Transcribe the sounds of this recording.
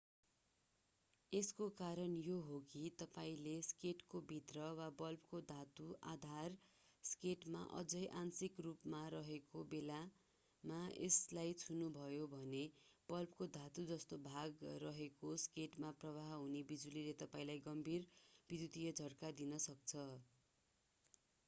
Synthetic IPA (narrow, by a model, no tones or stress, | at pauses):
eskokaɾʌnjoɦokit̪ʌpaĩleskeʈkobʱit̪rʌwabʌlp̚kod̪ʱat̪uʔa̰d̪ʱar | skeʈma̰ʔʌ̰d͡zʌjʔansikrupmaɾʌɦekobela | maḛslajt͡sʰunubʱʌjobʱʌneb̥ʌlpkod̪ʱat̪ud͡zʌst̪obʱaɡrʌɦekoskeʈmaprʌβaɦɦunebid͡zulilet̪ʌpaĩlajɡʌmbʱirbid̪jut̪ijʌd͡zʱʌrkad̪inʌsʌk̚t͡sʰʌ